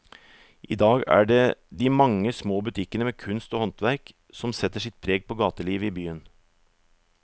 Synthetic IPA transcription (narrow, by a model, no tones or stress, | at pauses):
ʔḭːd̪ɑːɡæ̰ːɖed̪iːmɑŋːəsmoːbʉt̪ʰɪkənəmeːkʰʉnst̪ɔːhɔnt̪ʋæɾk | sɔmsɛt̪ːəʂɪt̪̚pʰɾeːɡ̚poːɡɑːt̪əliːʋəiːbyːən